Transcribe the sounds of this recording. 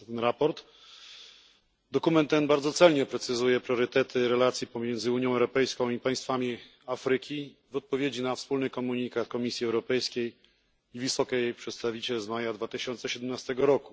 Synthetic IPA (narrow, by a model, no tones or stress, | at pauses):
t̪ɛnɾapɔɾt̪ | d̪ɔkumɛnt̪ːɛnbaɾd̪zɔt̪sɛlɲɛpɾɛt̪sɘzujɛpɾjɔɾɘt̪ɛt̪ʰɘɾɛlat̪sʲjipɔmʲjɛnd̪zɘuɲjɔ̃w̃ɛwɾɔpɛjskɔ̃w̃ipaj̃st̪famʲi | afɾɘkʲi | vɔt̪̚pɔvʲjed͡ʑinafspulnɘkɔmuɲikat̪kɔmʲisʲjiɛwɾɔpɛjskʲej | ivɘsɔkʲɛpʂɛt̪st̪avʲit͡ɕɛlzmajad̪vat̪ɘɕɔnt̪sɛɕɛd̪ɛmnast̪ɛɡɔɾɔku